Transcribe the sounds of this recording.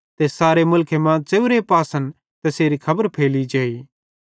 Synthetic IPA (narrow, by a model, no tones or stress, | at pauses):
t̪esaːɾemʊlkʰemãt͡ʃeːʊɾepaːsən | t̪ɐseːɾikʰɐbəɾpʰeːlid͡ʒaːiː